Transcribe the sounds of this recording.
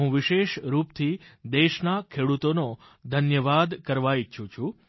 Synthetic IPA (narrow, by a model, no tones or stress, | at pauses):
ɦũʋɪʃeʃɾupt̪ʰid̪eʃnakʰeɽut̪ono | d̪ʱənjəʋad̪kəɾʋait͡ʃʰũt͡ʃʰu